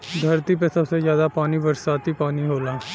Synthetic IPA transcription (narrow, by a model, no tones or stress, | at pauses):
d̪ʱəɾt̪iːp̬esəbsezjaːd̪aːpaːniʋəɾsaːt̪iːpaːniɦoːlaː